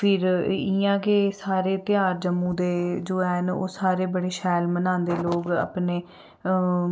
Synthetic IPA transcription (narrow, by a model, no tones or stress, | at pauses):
pʰɪɾɪjãːkesaːɾeːt̪ɪjaːɾd͡ʒəmːũːd̪eːd͡ʒoːɛːɦno̰ːsaːɾeːbəɽeːʃɛːlmənãːnd̪eːloːɡa̰ːpneː